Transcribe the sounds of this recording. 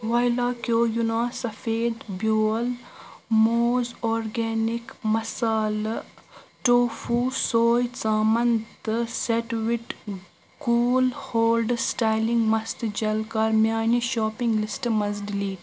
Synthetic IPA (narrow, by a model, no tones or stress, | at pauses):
ʋaːjlaːkjoːjunaːsɐfeːd̪bjoːlmoːzoːɾɡeːnikmɐsaːl | ʈoːfuːsoːjt͡saːmɐnt̪ɨseʈʋiʈ | kuːlhoːlɖsʈaːjlĩŋɡmɐst̪d͡ʒɐlkɐɾmʲjaːniʃɔːpĩŋɡlɪsʈmɐzɖliːʈ